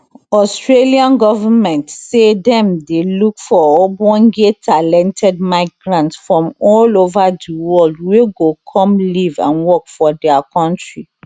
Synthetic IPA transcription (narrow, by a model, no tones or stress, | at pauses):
ɔstɹeliãnɡɔvamɛ̃ntsedɛ̃mdelukfɔɔbɔ̃nɡetʰalɛ̃ntʰɛd̚maɪɡɹãntsfɹɔ̃mɔlovadiwɔldweɡokʰɔ̃mlivã̰nwɔkfɔdɛakʰɔ̃ntɹi